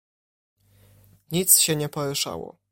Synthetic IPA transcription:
ɲit̪sɕɛɲɛpɔɾɪʂa̰wɔ̰

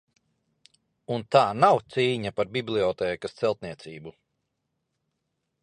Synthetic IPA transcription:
unt̪aːnawt̪siːɲapaɾbiblˠiɔt̪ɛːkɐst̪sɛlˠt̪niɛt̪siːbu

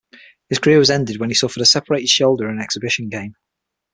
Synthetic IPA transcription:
hɪz̥kʰəɹɪəwɒzɛ̃ndɪd̚wə̃nisʊfədəsɛpʰəɹeɪtɪd̥ʃoʊlˠdəɹə̃nɛksɪbɪʃə̃nɡẽɪ̃m

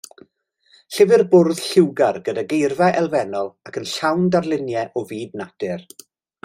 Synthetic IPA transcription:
ɬɪvɪrbʊrð̥ɬɪwɡarɡədaɡejrvɛʔɛlˠvɛnɔlˠakʰənɬawndarlˠɪnjɛʔɔviːdnad̥ɪr

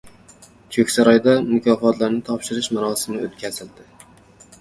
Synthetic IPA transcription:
t͡ʃʰokʲsaɾɒjd̪amʊkʲʰɒfɒt̪ʰlaɾnɪt̪ʰɒpʃɪɾɪʃmaɾɒsɪmnɪot̪̚kʲʰazɪld̪ɪ

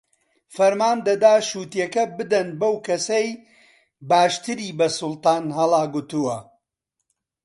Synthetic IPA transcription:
fɐɾmaːnd̪ɐd̪aːʃuːt̪jɐkɐbɨd̪ɐnbɐwkʰɐsej | baːʃt̪ɨɾiːbɐsʊlˠt̪ɑːnɦɐlˠaːɡut̪uwɐ

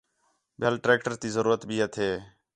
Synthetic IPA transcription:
bʱelʈɾeːk̚ʈəɾt̪iːzəɾuːɾət̪bʱiːət̪ʰeː

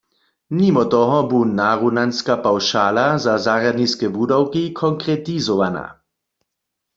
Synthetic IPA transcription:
mimɔt̪ɔɦɔbunaʁunanskapawʃaːlazazaʁjad̪niskɛbudawkikʰɔŋkʁɛt̪izɔʋana̰

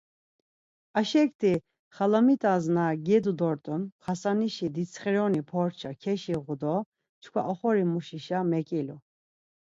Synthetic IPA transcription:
aʃɛkt̪ʰi | χalamit̪ʼaznaɡɛd̪ud̪ɔɾt̪ʼunχasaniʃid̪it͡sʰχɛɾɔnipʰɔɾt͡ʃʰakʰɛʃiʁud̪ɔ | t͡ʃʰkʰwa̰ʔɔχɔɾimuʃiʃamɛkʼilu

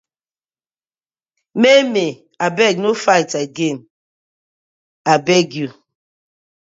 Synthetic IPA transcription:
meme | abɛɡ̚nofajtaɡen | abɛɡju

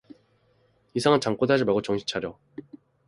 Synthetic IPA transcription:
isʰaŋɯnt͡ɕaŋk͈odad͡ʑimaɭɡot͡ɕʌŋɕʰi̥t͡ɕʰaɾjʌ

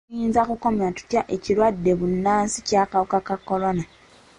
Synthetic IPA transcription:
jiːnzakuko̞matu̥tjaʔe̞cilwadːe̞βunːaːnsi̥caːkawukakakːo̞lo̞na

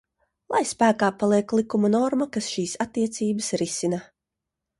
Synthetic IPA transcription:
lˠajspæːkaːpalˠiɛklˠikumanɔɾmakasʃiːsat̪ːiɛt̪siːbəsɾisina

